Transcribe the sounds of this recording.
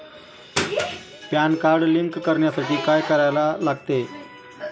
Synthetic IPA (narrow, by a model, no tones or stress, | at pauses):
pjankaɾɖliŋkːəɾɳjasaʈʰiːkajkəɾajlalaɡ̚t̪e